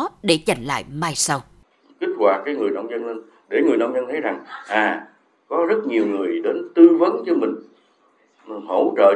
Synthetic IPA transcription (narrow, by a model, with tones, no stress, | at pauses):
ɗe˧˩t͡ɕa˨˩jŋ̟la̰ː˧˨jmaː˧jsa˧w | ki˦˥k̟̚hwaː˨˩t̚kaː˨˦jŋɨ˨˩əjnə̰˧wŋ͡mzə˧nle˧n | ɗe˧˩ŋɨ˨˩əjna̰˧wŋ͡mzə˧nt̪ʰə˨˦jza˨˩ŋʔaː˨˩ | kɔ˨˦zə˦˥t̚ɲi˨˩əwŋɨ˨˩əjɗe˨˦nt̪ɨ˧və˨˦nt͡ɕɔ˧mï˨˩ŋ̟˨˩ | ɦo˧˩t͡ɕə̰ː˧˨